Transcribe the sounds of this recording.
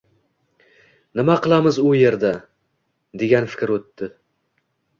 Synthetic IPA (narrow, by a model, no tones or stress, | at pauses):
nɪmaqʰɨlˠamɪzʊje̞ɾd̪a | d̪e̞ɡʲanfɪ̥kʲɾot̪ːɪ